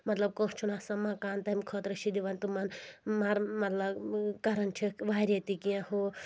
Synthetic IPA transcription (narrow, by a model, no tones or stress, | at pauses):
mɐt̪lɐb̚kõst͡ʃʰunasɐmãkaːnt̪ɐmkʰɔt̪ɾɐʃid̪iʋant̪umɐnmaɾmɐt̪lɐbkɐɾɐnt͡ʃʰiʋaːɾʲjet̪ikijãho